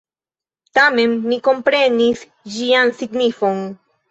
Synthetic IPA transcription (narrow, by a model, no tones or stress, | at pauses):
t̪amenːiko̞mpɾenis | d͡ʒiansiɡnifoŋ